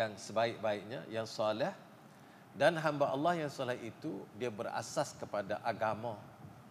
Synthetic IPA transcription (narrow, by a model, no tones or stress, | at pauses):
aŋsəbaɪk̚baɪk̚ɲa̰jaŋsɔlɛh | danɦambaʔɑlːɑhjaŋsɔlɛhit̪udiabəɾa̰saskəpadaʔaɡamã